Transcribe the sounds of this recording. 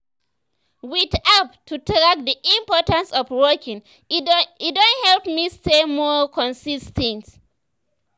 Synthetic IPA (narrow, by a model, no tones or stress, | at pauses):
witap̚tʰːutɹak̚diʔĩmpɔtãnsɔvwɜkĩŋ | idõnthɛlpmistemɔkʰɔ̃nsistʰɛ̃nt